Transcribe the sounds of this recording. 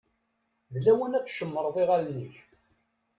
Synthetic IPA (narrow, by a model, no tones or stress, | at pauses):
ðlæwənæt͡sʃəmːəɾˤðˤiʁælniç